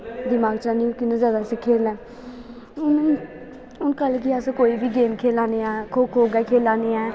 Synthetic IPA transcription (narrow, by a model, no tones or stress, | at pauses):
d̪ɪmaːɡt͡ʃaːniːũːkɪnẽzjaːd̪aːsɪkʰeːlɛ̃ː | ʊn | ʊnkəlkiəskoːiːbiːɡeːmkʰeːlãːneːɛːkʰoːkʰoːɡɛːkʰeːlaːneːɛː